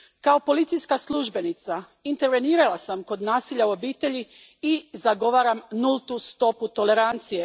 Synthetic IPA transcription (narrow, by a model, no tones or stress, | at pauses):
kao̞po̞lit̪sijskaslˠuʒbe̞nit̪sa | int̪e̞ɾʋe̞niːɾalasamko̞d̪naːsiʎauo̞biːt̪e̞ʎi | izaɡo̞ʋaːɾamnulˠt̪ust̪o̞put̪o̞le̞ɾant̪sije̞